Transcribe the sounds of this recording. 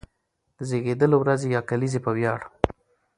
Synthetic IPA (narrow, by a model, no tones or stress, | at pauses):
d̪̥əzeɣed̪əlowɾazejɑkalizepəwjɑɽ